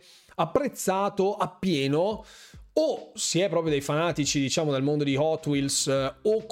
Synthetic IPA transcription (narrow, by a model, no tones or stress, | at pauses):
apːɾet̪sːaːt̪oʔapːjɛːno | osiɛpːɾɔːpɾjod̪ejfanaːt̪it͡ʃid̪it͡ʃaːmod̪elmond̪od̪ihɔt̪ːwilsokː